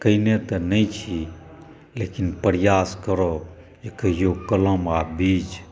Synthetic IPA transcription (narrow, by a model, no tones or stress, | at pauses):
kəinet̪ənəjt͡ʃʰi | lekinpəɾjaskəɾɔ | ekjokələmabit͡ʃ